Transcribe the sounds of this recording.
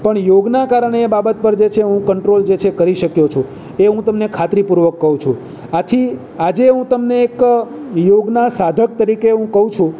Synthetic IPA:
pəɳjoɡnakaɾəɳeːbabət̪̚pəɾd͡ʒet͡ʃʰeɦũkəɳʈɾold͡ʒet͡ʃʰekəɾiʃəkjot͡ʃʰũ | eɦũt̪əmnekʰat̪ɾipuɾʋəkːəɦũt͡ʃʰṵ̃ | at̪ʰi | ad͡ʒeɦũt̪əmneːkjoɡnasad̪ʱək̚t̪əɾikeɦũkəɦũt͡ʃʰũ

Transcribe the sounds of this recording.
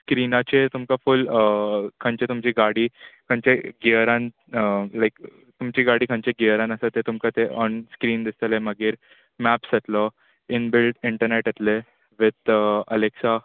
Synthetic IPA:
skɾinat͡ɕet̪umkafuləkʰə̃nt͡ɕet̪umt͡ɕiɡaɽiːkʰə̃ɲt͡ɕeɡiəɾãn | əlaɪk | t̪umt͡ɕiːɡaɽiːkʰə̃ɲt͡ɕeɡiəɾãnəsət̪et̪umkat̪eʔɔnskɾiːnd̪ist̪əleməɡiːɾ | mæpsət̪lɔ | ɪnbɪlʈɪɳʈəɾneʈjet̪le | ʋɪd̪əleksa

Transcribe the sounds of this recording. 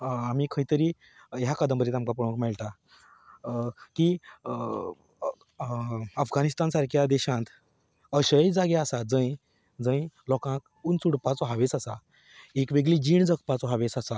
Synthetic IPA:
amikʰəit̪əɾiː | jakəd̪əmbəɾet̪amkapuɽə̃kmɛɭt̪a | ki | əfɡanist̪ansaɾkʰjad̪ɛɕãt̪ | əɕəjd͡zaɡaasad͡zə̃j | d͡zə̃j̃lɔkãk̚ | unt͡suɽpat͡sɦaʋet͡sasa | ekʋeɡɭiːd͡ʑiːɳd͡zəkpat͡sɔɦaʋet͡sasa

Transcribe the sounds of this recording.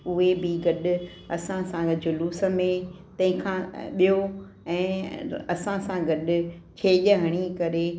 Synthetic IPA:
ʊɦebɪɡɐɗʊ | ɐsãsãd͡ʑʊluːsə̆mẽt̪ɐ̃ɦɪ̃kʰãɓijo | ɛ̃ːɐsãsãɡɐɗʊt͡ɕʰeːʄəɦəɽ̃ikɐɾe

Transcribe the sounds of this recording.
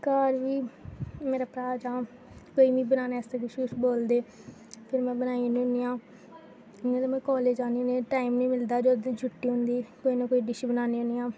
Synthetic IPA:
kaːɾʋiːmeːɾaːpɾaːd͡ʒaː | koːiːʋĩːbənaːneːst̪ekɪʃkʊsboːld̪eː | pʰɪɾmɛ̃ːbənaːinĩʊniːãː | ɪŋẽːt̪eːmɛ̃ːkɔːleːd͡ʒaːniːneːʈaːimnĩːmɪld̪aːd͡ʒoːd̪ẽːd͡ʒʰʊʈːiːɦʊ̃nd̪iːkoːiːnãːkoːiːɖɪʃibənaːneːoniːãː

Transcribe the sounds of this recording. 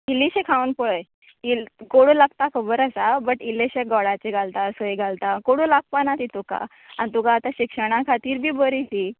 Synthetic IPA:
iliɕekʰawənpəɭəj | ilkoɽũlaɡ̚t̪akʰəbəɾasabəʈilːeɕeɡɔɽat͡ɕeɡʱalt̪aəsoeɡʱalt̪akoɽũlak̚panat̪it̪uka̰ | anit̪ukaːt̪aɕikʂəɽ̃ãkʰat̪iːɾbʱiːbəɾit̪i

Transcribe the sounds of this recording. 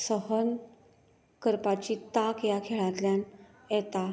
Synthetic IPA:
səɦən | kəɾpat͡ɕit̪akjakʰeɭat̪ljan | jɛt̪a

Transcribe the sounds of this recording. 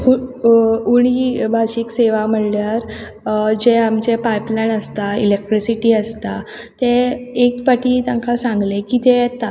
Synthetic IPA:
u | uɳ̃ibʱaɕikseʋam̤əɭljaɾ | d͡ʑeamt͡ɕepajplaɳəst̪ailek̚ʈɾisiʈiːəst̪a | t̪eekpaʈiːt̪jãŋkasãŋɡlekiːt̪ejɛt̪a

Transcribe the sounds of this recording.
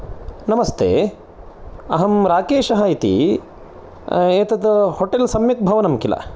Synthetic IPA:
nɐmɐst̪ʰḛː | ɐ̰ɦɐmɾaːkeːʃɐɦait̪ḭ | eːt̪ɐd̪ɐhoʈelsɐmjɐk̚bʱɐʋɐnɐmkilɐ̰

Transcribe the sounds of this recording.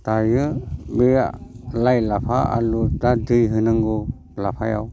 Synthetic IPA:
tajɯbejalajlapʰaa̰lutadɯjɦɯnɯŋɡɔ | lapʰaja̰w

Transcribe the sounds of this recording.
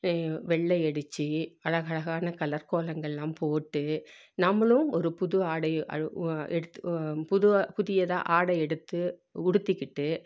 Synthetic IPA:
ʋɛɭːɐɪɛɽɯt͡ʃːiɐɭɐɣɐɭɐɣaːnɐkɐlɐɾkoːlɐŋɡɐɭɛlaːmpoːʈːɯ | nɐmːɐɭɯmɔɾɯpʊðɯaːɽɐɐ̰ɛɽɯt̪ːpʊðʊɐpʊðɪjɐða̰ʔaːɽɐɛɽɯt̪ːɯʊɽɯt̪ːɪkːɪʈːɯ

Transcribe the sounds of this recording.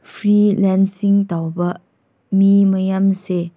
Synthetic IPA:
pʰɾilɛnsiŋtawbɐ | mimɐjamse

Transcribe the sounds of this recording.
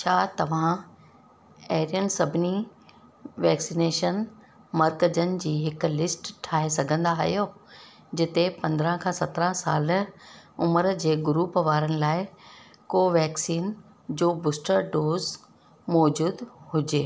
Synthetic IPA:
t͡ɕʰaːt̪ɐʋ̤ã | eɦɾiənsɐbʱni | ʋɛːksineːʃən | mɐɾkəd͡ʑənɪ̆d͡ʑiːɦɪkʊ̆lɪsʈʈʰːaːɦesɐɡʱə̃nd̪aɦjoː | d͡ʑɪt̪epɐ̃nd̪ɾə̃kʰãːsɐt̪ɾə̃saːl | ʊməɾd͡ʑeːɡʊɾuːpəʋaːɾənɪ̆laːɪ | koːʋɛːksiːn | d͡ʑoːbʊsʈəɾɖoːz | mɔːd͡ʑuːd̪hʊd͡ʑeː

